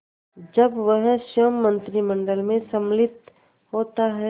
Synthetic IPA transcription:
d͡ʒəbʋəɦʃəmːə̃nt̪ɾimə̃ɳɖəlmẽsəmlɪt̪ | ɦoːt̪aɦɛ

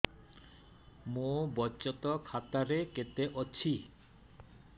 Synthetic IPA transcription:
mobɔt͡ɕɔt̪ɔkʰat̪aɾeket̪eʔɔːɕʰi

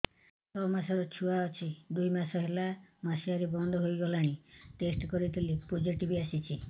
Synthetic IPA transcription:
sɔbɔmasaɾɔt͡ʃʰuaɔt͡ʃʰid̪ujmasɔɦelamasiaɾebɔnd̪ʱɔɦojɡɔlaɽ̃iʈesʈkɔɾit̪ʰilipod͡ʒiʈibiasit͡ʃʰi

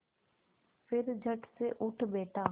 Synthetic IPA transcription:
pʰɪɾd͡ʒʱəʈseʔʊʈʰbeːʈaː

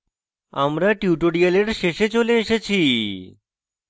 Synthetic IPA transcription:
a̰mɾaʈjuʈoɖialeʈʃeʃet͡ɕoleːʃet͡ɕʰi

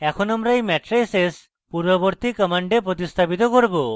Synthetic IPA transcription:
ɛkʰɔnɔmɾajmɛʈɾeses | puɾɔbɔɾt̪ikɔmaɳɖepɾɔt̪ist̪ʰabit̪ɔkɔɾbo

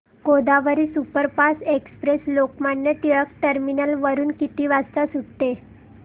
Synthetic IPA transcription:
kod̪aʋəɾisupəɾpasekspɾeslokmaɳːet̪iɭəkʈəɾminəlʋəɾuːnkit̪iːʋast̪asuʈt̪e

